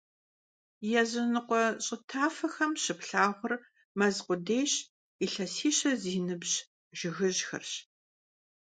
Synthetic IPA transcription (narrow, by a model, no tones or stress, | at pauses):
jɛzɨnɨqʷɔɕʼɪtʰaːfɐxɐmɕɪpɬaːʁʷʊr | mɐzqʷʊdeːɕ | iɬɐsiːɕɐziːnɨbɕ | ʒ̥ɪɣɨʑxɐ̰rɕ